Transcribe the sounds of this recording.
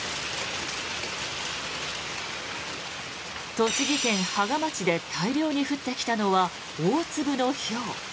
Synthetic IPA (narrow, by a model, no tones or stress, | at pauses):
t̪o̞ɕiɡʲikẽ̞ɰ̃haɡamat͡ɕid̪e̞t̪ʰaiɾʲo̞ːɲ̟iɸɯ̟t̪ːe̞kʲi̥t̪ano̞βa | oːt͡sɨbɯ̟no̞ço̞ː